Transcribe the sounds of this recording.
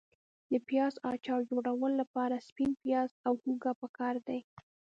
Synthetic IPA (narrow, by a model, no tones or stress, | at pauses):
d̪əpjɑzɑt͡ʃɑwd͡ʒoɽawəllapɑɾaspinpjɑzawhuɡapəkɑɾd̪aj